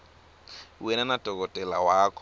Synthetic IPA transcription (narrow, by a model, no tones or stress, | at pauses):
wɛnanad̥ʱɔkɔtʼɛlawaːkʰɔ